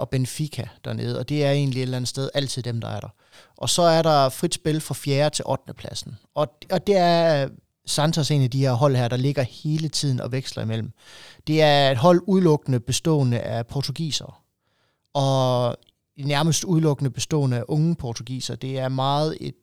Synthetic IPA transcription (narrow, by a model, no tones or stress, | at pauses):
ʔɒ̽b̥enfikʰæd̥æɐne̝ːð̩ˠɒ̽d̥e̝æɐe̝̰ːnlie̝ɾ̥lænð̩ˠsd̥eðˠæl̰t͡sʰið̰ˠd̥emd̥ɑ̈æɐɾ̥ɑ̈ | ʔɒ̽sɒ̽æɐɾɑ̈fʁid̥sb̥e̝lfʁɑ̈fjeːɐt͡sʰe̝lʔɒd̥nəpʰlæsn̩ʔɒ̽ɒ̽d̥e̝æɐ | sɑnt͡sʰʁɐse̝̰ːnæd̥iheɐ̰ɦɒ̽l̰hæɐ̰d̥ɑ̈le̝ɡ̥ɐhe̝ːlət͡sʰið̞̰ˠn̩ɒ̽ʋeɡ̥slɐimel̰m̩d̥e̝æɐe̝d̥ɦɒ̽l̰uð̞ˠlɔ̽ɡ̥ənəb̥e̝sd̥ɔ̰̽ːnəʔæpʰɒt͡sʰuɡ̥ḭːsɐ | ɒ̽ | næɐməsd̥uð̞ˠlɔ̽ɡ̥ənəb̥e̝sd̥ɔ̰̽ːnəæʔɔ̽ŋəpʰɒt͡sʰoɡ̥ḭːsɐd̥e̝æɐmɑ̈ːð̞̩ˠe̝d̥